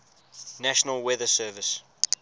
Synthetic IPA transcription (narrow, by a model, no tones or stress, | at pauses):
næʃənəlˠwɛðəsɜːvɪs